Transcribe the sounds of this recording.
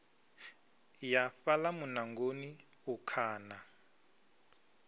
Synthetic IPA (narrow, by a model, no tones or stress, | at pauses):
jafalamunaŋɡoniukʰaːna